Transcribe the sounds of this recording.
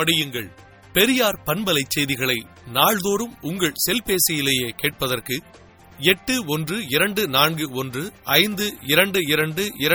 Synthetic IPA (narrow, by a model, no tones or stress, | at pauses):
ɐɽɪjɯŋɡɐɭ | pɛɾɪjaːɾpɐnbɐlɐɪt͡ʃːɛjðɪɣɐɭɐɪ | naːɻðoːɾɯmʊŋɡɐɭsɛlpeːsɐjɪleːjeːkeːʈ̚pɐðɐrkɯ | ɛʈːɯɔndrɯɪɾɐɳɖɯnaːnɡɯɔndrɯɐɪnd̪ɯɪɾɐɳɖɯɪɾɐɳɖɯɪɾɐ